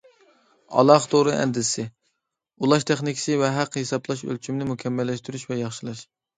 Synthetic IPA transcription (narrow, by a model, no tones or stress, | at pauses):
ɑ̰lˠɑχt̪ʰoɾɨʔɛ̰nd̪ɪsɪ | ulˠɑʃt̪ʰɛχnɪkʲʰɪ̥sɪvɛɦæqhesɑplˠɑʃø̰lt͡ʃʰymnɪmukʲʰɛmːɛlːɛʃt̪yɾyʃvɛjɑχʃilˠɨʃ